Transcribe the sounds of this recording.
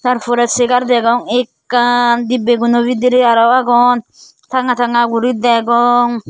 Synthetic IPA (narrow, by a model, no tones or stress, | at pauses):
t̪aɾfɔɾɛsekaɾd̪ɛɡɔŋekːand̪ibeɡunobid̪iɾiaɾɔwaɡɔn | t̪ʰaŋat̪aŋaɡuɾid̪ɛɡɔŋ